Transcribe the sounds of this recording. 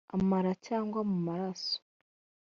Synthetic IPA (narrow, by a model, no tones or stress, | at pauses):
a̰maɾacaːŋɡwamumaɾaso̥